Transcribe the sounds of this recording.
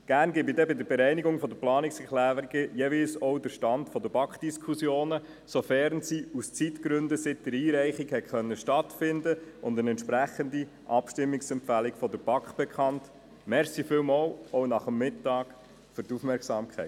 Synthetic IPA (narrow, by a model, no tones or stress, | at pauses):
ɡ̥æɾnɡɪbidɛbɪd̪əɾbɛɾɛɪniɡʊŋfɔd̪əplɑːnɪksɛklæːɾɾiɡ̥əjeʋiːlsɔwdəɾʃtɑndfɔd̪əb̥ɑkχd̥iskʰusjoːnə | sofɛɾnsiust͡sitkɾʏndəsɪt̚dəɾiːɾæɪχikhɛkχœnːəʃtɑtfɪndəʊndənɛntʃpɾæχəndi | ʔɑpʃtɪmːiksɛmpfælikfɔdəɾb̥ɑkχb̥ɛkʰɑnt | mɛɾsifɪlmɔlɔwnɑχəmːɪtːɑːk | fʏɾtufmɛɾksɑːmkʰχɛɪ